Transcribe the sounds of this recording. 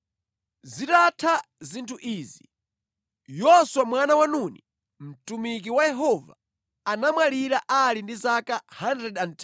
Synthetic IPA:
zitatʰazintʰuʔiːzi | jɔswamwanawanuni | m̩tumik̬iwajɛɦɔva̰ | anamwaliɾaʔalindizakahandɾɛdantʰ

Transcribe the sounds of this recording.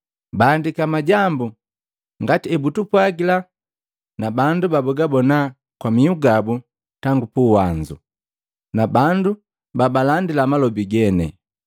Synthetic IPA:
baːndikamaɟambu | ŋɡatiɛbutupwaɡila | nabandubabɔɡabɔna | kwamiuɡabu | taŋɡupuwaɲd͡ʒṵ | nabandu | babalandilamalɔbiɡɛnɛ̰

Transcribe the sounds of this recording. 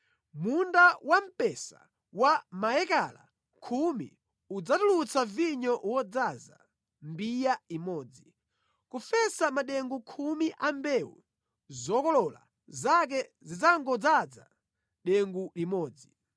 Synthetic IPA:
mundawam̩pɛsa̰ | wamajɛkala̰ | kʰumḭ | ud͡zatulut͡saviɲɔwɔd͡zaza̰ | mbijaimɔːd͡zi | kufɛsamaɗɛŋɡukʰumiʔambɛwṵ | zɔkɔlɔla̰ | zak̬ɛzid͡zaŋɡɔd͡zad͡za̰ | ɗɛŋɡulimɔːd͡zi

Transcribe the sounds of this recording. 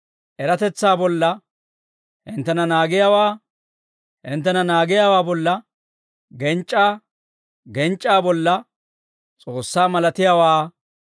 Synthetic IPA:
ʔɛɾɐt̪ɛt͡sːaːbɔlːɐ | hɪnt̪ːɛnɐnaːɡɪjawaː | hɪnt̪ːɛnɐnaːɡɪjawaːbɔlːɐ | ɡɛnt͡ʃʼːaː | ɡɛnt͡ʃʼːaːbɔlːɐ | t͡sʼoːsːaːmɐlɐt̪ɪjawaː

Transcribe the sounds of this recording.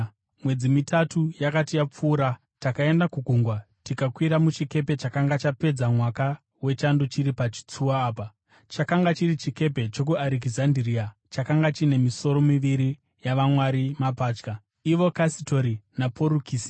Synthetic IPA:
mwe̞d͡zimitatujakatijap͡fuːɾa | takae̞ndakuɡʱuŋɡwa | tikakwiɾamut͡ʃike̞p̬e̞t͡ʃakaŋɡat͡ʃape̞d͡zamwaka | we̞t͡ʃandot͡ʃiɾipat͡ʃi̥t͡suwaːpa | t͡ʃakaŋɡat͡ʃiɾit͡ʃike̞p̬e̞t͡ʃo̞kuaɾik̬izandiriat͡ʃakaŋɡat͡ʃine̞miso̞ɾo̞miʋiɾi | jaʋamwaɾimapaːt͡ʃka | iʋo̞kasito̞ɾinapʰo̞ɾukiːsi̥

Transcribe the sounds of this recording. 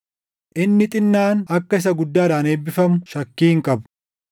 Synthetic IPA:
ʔɪnːɪt̪ʼɪnːaːnɐkːɐɪs̬ɐɡʊd̪ːaːd̪aːne̞ːbːɪfɐmʊʃɐkːiːŋkʼɐbʊ̥

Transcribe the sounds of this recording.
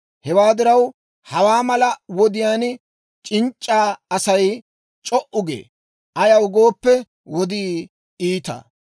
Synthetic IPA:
hɛwaːd̪ɪɾɐw | hɐwaːmɐlɐwɔd̪ɪjaːn | t͡ʃʼɪnt͡ʃʼːaːɐsɐj | t͡ʃʼɔʔʊɡḛː | ʔɐjɐwʊɡo̞ːpːɛ | wɔd̪ɪ | iːt̪ɐ̰

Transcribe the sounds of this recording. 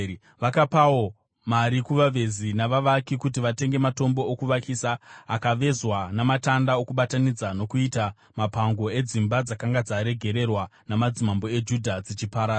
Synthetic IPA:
ʋakapao̞ | maɾikuʋaʋe̞zinaʋaʋakikut̬iʋate̞ŋɡe̞mato̞mbo̞ːkuʋakisaakaʋe̞zwanamatandao̞kuɓatanid͡zano̞kuita | mapaŋɡo̞e̞d͡zimbad͡zakaŋɡad͡zaɾe̞ɡʱe̞ɾe̞rwanamad͡zimambo̞e̞d͡ʒudʱad͡zit͡ʃipaɾa

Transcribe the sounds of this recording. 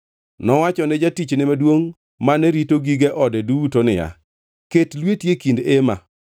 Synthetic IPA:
nɔwat͡ʃɔnɪd͡ʒatit͡ʃnɪmadwoŋ | manɛɾitoɡiɡeʔɔdɛduwutonɪja̰ | ketlwetjekindema̰

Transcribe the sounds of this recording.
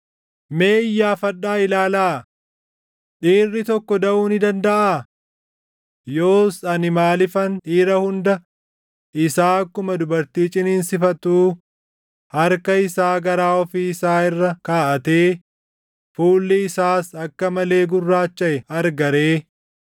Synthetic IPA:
meːɪjːaːfɐᶑːaːɪlaːlaː | ᶑiːrːɪt̪ɔkːɔd̪ɐʔuːnɪd̪ɐnd̪ɐʔaː | jo̞ːsɐnɪmaːlɪfɐnᶑiːɾɐhʊnd̪ɐ | ʔɪsaːɐkːʊmɐd̪ʊbɐɾt̪iːt͡ʃʼɪninsɪfɐt̪uː | hɐɾkɐɪsaːɡɐɾaːɔfiːɪsaːɪrːɐkaːʔɐt̪eː | fuːlːɪɪsaːsɐkːɐmɐle̞ːɡʊrːaːt͡ʃːɐʔɛɐɾɡɐɾeː

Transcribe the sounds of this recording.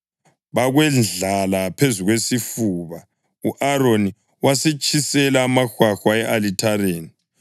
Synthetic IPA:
βaɣwɛnɮalapʰezuɣwesifuːβa | uʔaɾoni | wasɛt͡ʃʼʰisɛlaːmaxwaxwaɛʔalitʰareːni

